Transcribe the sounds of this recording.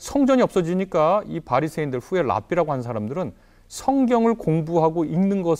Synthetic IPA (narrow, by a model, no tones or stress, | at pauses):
sʰʌŋd͡ʑʌɲiʌp̚s͈ʌd͡ʑiɲik͈aipaɾisʰeindɯɭɸue̞ɭa̰p͈ʰiɾaɡoɦanɯnsʰaɾamdɯɾɯn | sʰʌŋɡjʌŋɯɭkoŋbuɦaɡoiŋnɯnɡʌs